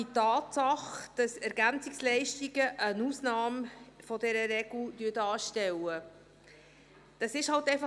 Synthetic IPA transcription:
itɑːtsɑχd̥ɑsɛɾɡænt͡sɪkslɛɪʃtiɡəʔənuːsnɑːmfɔdɛɾəɾɛɡ̥ld̥yətɑːʃtɛwə | d̥ɑsɪʃhɑltɛɪfɑ

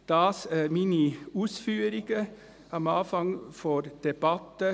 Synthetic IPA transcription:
d̪̥ɑːsəminɪʉsfyːəɾɪkə | ɑmɑːfɑŋfɔɾd̪̥ɛbɑt̪ːə

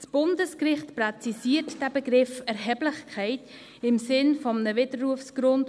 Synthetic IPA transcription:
sb̥ʊndəskrɪχtprɛt͡sisiːɾtd̥æbəɡɾɪfɛɾɦɛːblɪχkʰɛɪt | ɪmsɪnfɔmnəvɪdəɾːuəfsɡ̥ɾʊnd

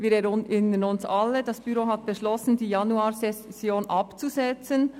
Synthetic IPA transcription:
viːɾɛɾɪnənʊnsɑlːədɑsb̥yɾoːɦɑt̚b̥əʃlɔsn̩diːjɑnuaːɾsɛsjoːnʔɑpt͡suzɛt͡sən

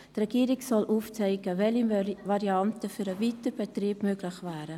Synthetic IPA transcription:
trɛɡ̥iːɾiksɔlʔuːft͡sɛɪɡ̥əvɛlivɑɾiɑntəfyɾəviːtəb̥ɛtriːb̥møːɡlɪχvæːɾə

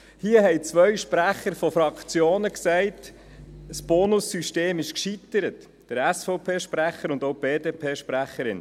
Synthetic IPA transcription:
hiːəɦɛjt͡sʋœɥʃpræχəɾfɔfɾɑkt͡sjoːnəksɛɪt | sb̥ɔːnʊsːyʃteːmɪʃkʃit̪əɾət | d̥əɾæsfɔʊpʰeːʃpɾæχəɾʊnd̪oʊb̥eːdeːpʰeːʃpɾæχəɾɪ̰n

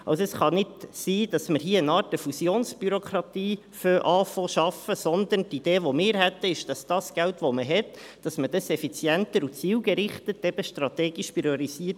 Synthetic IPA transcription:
ʔɑ̰wsoəsχɑnɪdsiːd̥ɑsməɾɦiːənɑːɾt̚d̥əfusjoːnsb̥yɾokʰɾɑt̪iː | føʔɑːfɔʃɑfəsɔnd̪əntid̥eːʋomɪːɾɦɛt̪ːəɪʃd̥ɑsd̥ɑsɡ̥æltʋoməɦɛt | d̥ɑsmədɑsɛfit͡sjɛntəɾut͡siːwɡəɾɪχtətɛb̥əʃtrɑt̪ɛːɡ̥iʃpiɾioɾisiːt

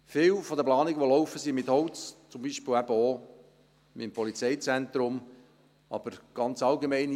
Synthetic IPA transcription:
fɪːwfɔd̪əplɑːniɡəʋolɔwfəsimɪt̪hɔwt͡st͡sʊmbiːʃpɪːlæb̥əo | mɪmpɔlit͡sɛɪt͡sænt̪ɾʊm | ɑ̰b̥əɾɡ̥ɑnt͡sɑlɡemɛɪn

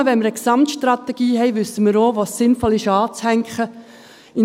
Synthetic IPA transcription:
əʋɛnməɾəksɑmtʃtrɑt̪ɛɡ̥iːɦɛɪʋʏsəməɾoːʋosɪnfɔlɪʃɑːt͡shæŋkχə | ɪn

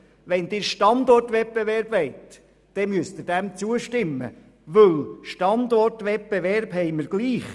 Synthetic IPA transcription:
ʋɛnd̥̪ɪːɾʃtɑnd̪ɔrtʋɛp̚b̥eʋɛɾb̥ʋɛɪtː | ɛmyəst̪ɪdɛmt͡suəʃtɪmːə̰ | ʋɵlʃtɑnd̪ɔrtʋɛp̚b̥eʋɛɾbɦɛɪməɾɡ̥liːχ

